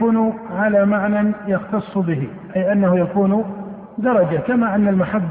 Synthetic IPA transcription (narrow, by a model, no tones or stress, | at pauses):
uːnʊʕalamaʕnanjɑxt̪ɑsˤːbɪɦɪ̰ | ʔajʔanːahʊjakuːnʊ | d̪ɑɾˤɑd͡ʒakamaːʔanːalmaħabː